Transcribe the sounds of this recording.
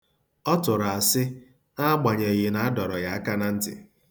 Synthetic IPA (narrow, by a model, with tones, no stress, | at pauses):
ɔ˦tʊ˨ɾa˨a˨sɪ˦ | a˦ɡ͡ba˨ɲe˨ɣɪ˨na˦a˦dɔ˨ɾɔ˨ɣa˨a˦ka˦na˦n̩˦tɪ̰˨